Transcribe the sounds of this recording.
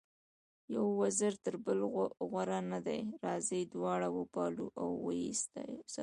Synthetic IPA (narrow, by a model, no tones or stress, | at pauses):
jawːazəɾt̪əɾbəlɣwaɾanad̪ajɾɑzijd̪wɑɽawəpɑlṵʔawːəḭst̪ɑ̰jsa